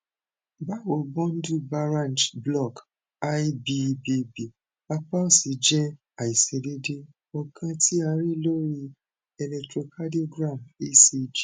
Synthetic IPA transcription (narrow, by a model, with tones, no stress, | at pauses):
ba˦wo˨bɔ̃˦n˦du˦˨ba˧ɾã˦˨nd͡ʒblɔ˦˨k | a˦jbi˧bi˧bi˨ | a˧k͡pa˦o˦˨si˨d͡ʒɛ̃˦ | a˨i˨se˨de˦de˦ | ɔ˧kʰã˧ti˦a˧˦ɾi˦lo˦ɾi˧ | ɛ˧lɛ˧ktɾo˨ka˦do˦ɡɾã˦˨me˦se˧d͡ʒi˨